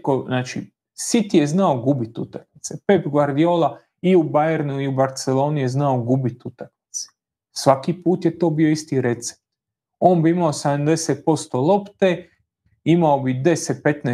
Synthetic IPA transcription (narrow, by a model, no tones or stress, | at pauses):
koznaːt͡ʃḭ | sit̪ije̞znaoɡubit̪ut̪aknit̪sepepɡʋaɾd̪ijoːlˠa | iubajeɾnuiubaɾt̪selo̞ːnije̞znaoɡubit̪ut̪aknit̪se̥ | sʋakipuːt̪jet̪o̞ːbio̞ist̪iɾet̪se̥p̚t̪ | o̞ːnbiimaosad̪amd̪e̞set̪̚po̞st̪olˠo̞pt̪e | imaobid̪e̞set̪̚pe̞t̪ne